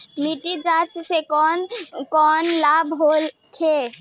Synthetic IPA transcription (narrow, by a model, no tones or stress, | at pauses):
miʈid͡ʒaɾt͡ʃsekɔnkɔnlabʱɦol | kʰe